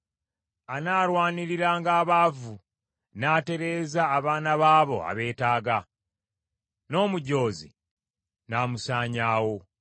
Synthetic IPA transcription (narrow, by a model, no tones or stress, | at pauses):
anaːɾwaːniɾiɾaːŋɡaːβavu | nate̞ɾe̞ːzaːβaːnaβaːβo̞̰a̰βe̞ːtaːɡa | no̞ːmuɟo̞ːzḭ | namusaːɲaːwo̞